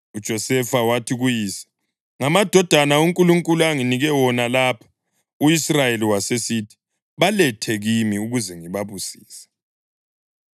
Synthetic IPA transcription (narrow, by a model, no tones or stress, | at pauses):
ud̥ʒ̥ʱɔsɛfawatʰiɣujiːsḁ | ŋamad̥ʱɔd̥ʱanauŋkʼuluŋkʼuluaŋiniɣɛwɔnalaːpʰḁ | uisrajeliwasesiːtʰi̥ | βalɛtʰɛɣimiuɣuzɛŋiβaβusiːsɛ̥